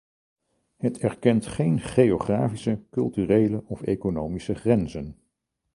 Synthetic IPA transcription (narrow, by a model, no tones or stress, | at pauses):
ɦətʰɛɹkɛntχejnχejoχraːfisəkɵlˠtyrejləʔɔfḛjkonowmisəχrɛnzən